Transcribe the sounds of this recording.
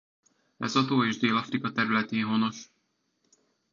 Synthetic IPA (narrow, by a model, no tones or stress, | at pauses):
ɛ̰zɒt̪oːeːʒd̪eːlɒfrikɒt̪ɛɾylɛt̪eːnɦono̞ʃ